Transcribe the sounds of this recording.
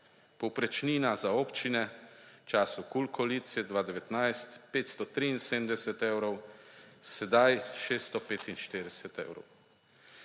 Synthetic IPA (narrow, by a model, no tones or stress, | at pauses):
pɔwpɾɛt͡ʃniːnazaoːpt͡ʃinɛt͡ʃaːsukulkʰɔlit̪siɛd̪ʋaːd̪ɛʋɛt̪najst̪peːt̪st̪ɔt̪ɾiːnseːmd̪ɛsɛt̪ewɾɔwsɛd̪ajʃest̪ɔpeːt̪inʃt̪eːɾɛsɛt̪ɛ̰wɾɔ̰w